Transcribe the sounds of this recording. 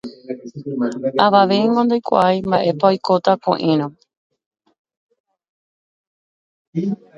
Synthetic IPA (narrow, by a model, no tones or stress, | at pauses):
aʋaʋe̞jŋɡõnd̪ajkʷa̰ʔajmbaʔe̞paojko̞t̪akõ̰ʔĩɾ̃õ